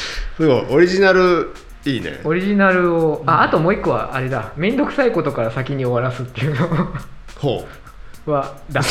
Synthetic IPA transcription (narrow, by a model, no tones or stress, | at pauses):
sɨɡoiʔoɾʲiʑinaɾɯ̟ | iːnḛo̞ɾʲiʑinaɾɯ̟oaːt̪o̞mo̞ːikːo̞βa̰ʔaɾe̞d̪amẽ̞nd̪o̞kɯ̟saiko̞t̪o̞kaɾasakʲiɲ̟io̞βaɾasɨt̪ːe̞iɯ̟noho̰ː | βad̪a